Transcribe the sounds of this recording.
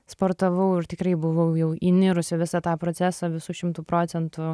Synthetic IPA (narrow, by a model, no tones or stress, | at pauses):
spoːɾt̪ɐʋɐʊɪrt̪ʲɪkɾɐɪbʊʋɐʊjɛʊinʲɪɾʊsʲɪʋʲɪsɑt̪ɑːpɾoːt̪t͡ssʲæːsɑʋʲɪsuːʃʲɪmt̪uːpɾoːt̪sʲɛnt̪ʊ